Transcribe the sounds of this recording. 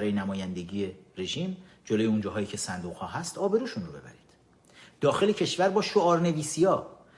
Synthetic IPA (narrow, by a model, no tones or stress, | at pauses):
ɾɒːjenæmɒːjænd̪e̞ɟiːje̞ɾe̞ʒiːm | d͡ʒoloːjeund͡ʒɒːɦɒːjiːcʰe̞sænd̪uːʁhɒːɦæst̪ɒːbe̞ɾuːʃunrobe̞̰bæ̰ɾiːd̪̥ | d̪̥ɒːxe̞lecʰe̞ʃvæɾbɒːʃoɒːɾne̞viːsijɒː